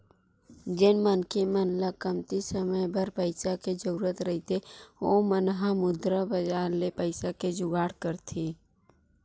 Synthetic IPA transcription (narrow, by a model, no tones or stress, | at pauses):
d͡ʒɪnmənkemənlakəmt̪isəməjbəɾpəɪsaked͡ʒəɾuːɾət̪ɾəɦit̪ʰeoːmənɦãmʊd̪ɾabəd͡ʒaːɾlepəɪsaked͡ʒʊɡaːɽkəɾt̪ʰiː